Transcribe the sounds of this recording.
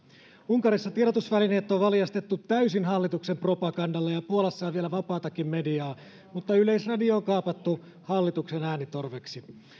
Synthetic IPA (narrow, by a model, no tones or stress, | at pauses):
uŋkɑɾisːɑt̪ieɾot̪usʋæline̞ːt̪ːoʋʋɑljɑst̪et̪ːut̪ːæysinɦɑlːit̪ukse̞mpro̞pɑɡɑndɑlːejɑpuolesːɑːʋielæʋɑpɑːt̪ɑkːimme̞diɑː | mut̪ːɑyle̞jsrɑdioːŋkɑːpɑt̪ːu | hɑlːit̪uksenæːnit̪o̞rʋeksi